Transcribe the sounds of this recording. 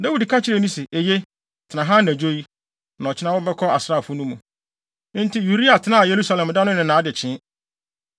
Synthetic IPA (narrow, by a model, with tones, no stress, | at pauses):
da˦wu˨dkʰa˦t͡ɕʰɪ˦ɾe˨nĩ˦sɪ˨ʔe˨je˦ | tʰɪ˨nã˨ɦã˦næ̃˨d͡ʑo˦i˦ | nã˨ɔ˨t͡ɕʰɪ˦nã˦wɔ˦bɛ˦kʰɔ˦a˨sɾa˦˨fʊ˦nũ˦mũ˨˦ | n̩˦tɪ˦ju˨ɾi˦a˨tʰɪ˨˦nã˦˨je˨ɾu˦sa˦lɛ̃˨m˨dã˦nʊ̃˦nɪ̃˨nãː˨˦dɪ˨t͡ɕʰɪ̃˦